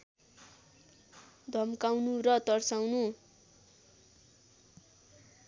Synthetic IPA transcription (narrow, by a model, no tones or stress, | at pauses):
d̪ʱʌmkawnurʌt̪ʌrsawnu